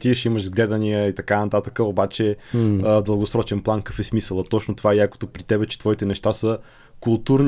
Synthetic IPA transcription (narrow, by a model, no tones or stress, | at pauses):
t̪iʃiməʒzɡlɛd̪ənijəit̪ɐkanɐt̪at̪əkəobat͡ʃɛəd̪əlˠɡosɾɔt͡ʃɛnplˠankɐfɛsmisəlˠət̪ɔt͡ʃnot̪ovaɛjako̥t̪opɾit̪ɛbɛt͡ʃɛ̥t̪v̥ɔit̪ɛnɛʃt̪asə | kulˠt̪uɾn